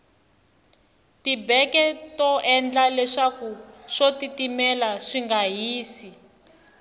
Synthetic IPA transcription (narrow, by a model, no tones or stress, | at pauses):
tibɛkɛtɔʔɛnd͡ɮalɛʂakuʂotitimɛlaʂiŋɡaɦiːsi